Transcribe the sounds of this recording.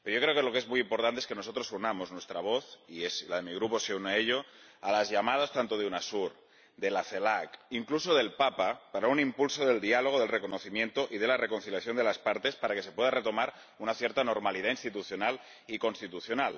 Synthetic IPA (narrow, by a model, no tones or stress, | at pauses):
peɾjo̞kɾe̞okelo̞kezmujimpo̞ɾt̪ant̪eeske̞no̞so̞t̪ɾosunamoznwe̞st̪ɾaβ̞o̞θieslaðe̞miɣ̞ɾuposeuneeʎo̞ | alazʎamað̞ast̪ant̪oðeunasuɾ | d̪elaθelakiŋkluso̞ðe̞lpapapaɾaunimpulsoðe̞ld̪ialoɣ̞oðe̞lreko̞noθimjẽ̞nt̪oʔiðe̞larekonθiljaθjo̞nd̪elaspaɾt̪e̞spaɾake̞se̞pweðaret̪o̞maɾ | unaθjeɾt̪ano̞ɾmaliðainst̪it̪uθjonal | iko̞nst̪it̪uθjonal